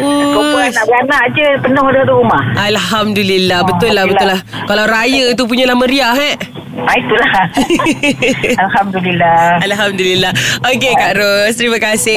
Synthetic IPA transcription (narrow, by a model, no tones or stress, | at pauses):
əouanaʔbanaʔd͡ʒəpənoŋadəat̪uɾumahʔalɦamdulilːahbət̪ʊlːahbət̪ʊlːahkalawɾajət̪up̬uɲalahməɾiaɦɛʔ | ait̪ulah | alhamd̪ulilːaalɦamdulilːaokekaʔɾost̪ɾimakasɪ